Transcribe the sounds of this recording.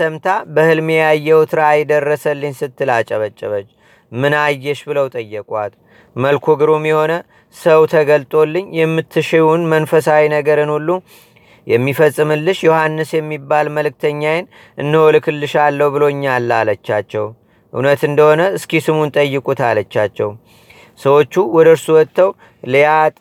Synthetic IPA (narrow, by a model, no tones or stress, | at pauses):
səmt̪ʰabəhɨlmejajːɛwt̪ʰɨɾaːjd̪ərːəsəlːɨɲsɨt̪ʰːɨlat͡ʃʼəβət͡ʃʼːəβət͡ʃː | mɨnajːɛʃbɨləwt̪ʼəjːɛkʼwat̪ | məlkʰoɡɨɾomjɛho̞nə | səwt̪ʰəɡəlt̪ʼo̞lːɨɲːjɛmːɨt̪ʰːɨʃewunmənfəsawinəɡəɾɨnulːu | jɛmːifəsʼːɨmɨlːɨʃjohanːɨsjɛmːibːalməlɨk̚t̪ʰəɲːajɪn | ʔɨnːɨholkʰɨlːɨʃalːəwbɨlo̞ɨɲːalːalət͡ʃːat͡ʃːɛw | ʔɨ̰wnət̪ɨnd̪əho̞nəɨskisɨmunt̪ʼəjːɨkʼut̪alət͡ʃːat͡ʃːɛw | səwo̞t͡ʃːuwɔd̪əɨɾsuwɔt̪ʰːəw | ljat̪ʼ